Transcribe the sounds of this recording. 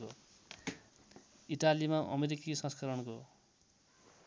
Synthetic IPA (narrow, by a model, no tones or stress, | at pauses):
o | iʈalimaʔʌ̰meɾikisʌ̃skʌɾʌnko